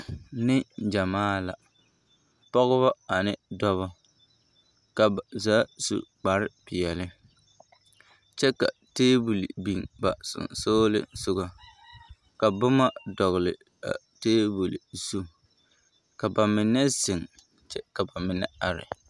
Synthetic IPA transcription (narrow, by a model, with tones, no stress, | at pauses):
nɪ˦d͡ʒa˨maː˦la˨ | pɔ˦ɣʊ˦βɔ˦a˨nɪ˦dɔ˦βɔ˦ | ka˨zaː˦sṵ˨k͡pa˨ɾɪ˦pɪ˨ɛ˨lɪ˦ | t͡ʃɛ˦ka̰˨teː˦bu˨lḭ˨bi˨ŋba̰˨sʊ̰˨nsoː˦lɪ̰˦sʊ˦ɡa˨ | ka˨bʊ˦ma˦dɔ˨ɣɪ˨lɪ˨ | a̰˨ | teː˦bu˨lɪ˨su˦ | ka˨ba˨mɪ˨nɛ˦sɪ˨ŋ | t͡ʃɛ˦ka˨ba˨mɪ˨nɛ̰˦a˨ɾɪ̰˨